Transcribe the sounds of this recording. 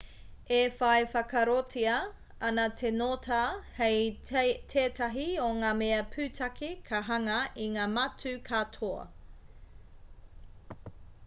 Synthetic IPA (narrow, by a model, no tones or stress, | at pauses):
efɐefɐkɐɾotʰiɐ | ɐnɐtʰenotʰahejtʰetɐɦioŋaːmeɐpʰʉːtʰɐkʰikʰɐɦɐŋɐiŋaːmɐtʉkʰatʰoɐ̰